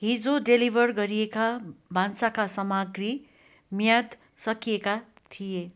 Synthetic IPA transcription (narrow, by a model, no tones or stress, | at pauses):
ɦid͡zoɖelibʱʌrɡʌɾijekabʱansakasʌmaɡri | mijad̪ | sʌkijeka | t̪ʰije